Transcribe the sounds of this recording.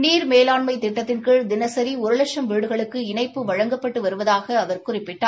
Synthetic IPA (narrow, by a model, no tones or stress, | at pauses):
niːɾmeːlaːɳmɐɪt̪ɪʈːɐt̪ːɪnkɪɻd̪ɪnɐsɐɾiʊɾɯlɐʂɐmʋiːɽɯɣɐɭɯkːɯɪnɐɪpːɯʋɐɻɐŋɡɐpːɐʈːɯʋɐɾɯʋɐðaːɣɐːʋɐɾkʊrɪpːɪʈːaː